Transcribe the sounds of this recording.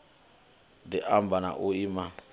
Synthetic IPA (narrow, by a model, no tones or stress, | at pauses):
diʔambana̰ʔuima